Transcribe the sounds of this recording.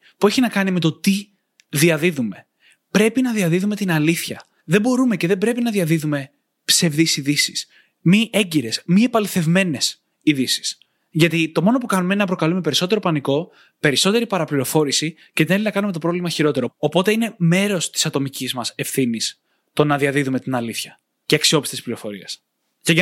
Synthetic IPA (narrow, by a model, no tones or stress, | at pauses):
pueçinɐkɐnime̞t̪o̞t̪i | ðiɐðiðume̞ | pɾe̞pinɐðiɐðiðume̞t̪inɐliθçɐ | ðe̞bo̞ɾume̞ce̞ðe̞bɾe̞pinɐðiɐðiðume̞ | pse̞vðisiðisi̥s | miʔe̞ɲɟiɾe̞smiepɐliθe̞vme̞ne̞s | iðisi̥s | ʝɐt̪it̪o̞mo̞no̞pukɐnumenɐp̬ɾo̞kɐlume̞pe̞ɾiso̞t̪e̞ɾo̞pɐniko̞ | pe̞ɾiso̞t̪e̞ɾipɐɾɐpliɾo̞fo̞ɾisi | ce̞t̪ine̞linɐkɐnumet̪o̞pɾo̞vlimɐçiɾo̞t̪e̞ɾo̞opo̞t̪e̞ine̞me̞ɾo̞st̪isɐt̪o̞micizmɐse̞fθinis | t̪o̞nɐðiɐðiðume̞t̪inɐliθçɐ | ceɐksio̞pist̪eispliɾo̞fo̞ɾiɐs | ceʝ